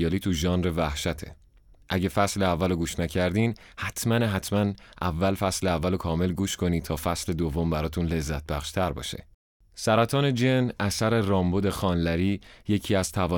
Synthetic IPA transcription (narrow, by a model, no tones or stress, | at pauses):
ɒːliːt̪ʰuʒɒːnɾevæhʃæt̪ʰe̞̰ | ʔæɟe̞fæsleævːæloɡuːʃnæcʰæɾd̪iːn | hæt̪ʰmænɦæt̪ʰmænʔævːælfæsleævːælokʰɒːme̞lɡuːʃkʰo̞niːt̪ʰɒːfæsle̞d̪ovːo̞mbæɾɒːt̪ʰunle̞zːæt̪̚bæxʃt̪ʰæɾbɒ̰ːʃe̞̰ | sæɾæt̪ʰɒːne̞d͡ʒenʔæsæɾerɒːmbod̪e̞xɒːnlæɾiːje̞cʰiːæz̥t̪ʰævɒː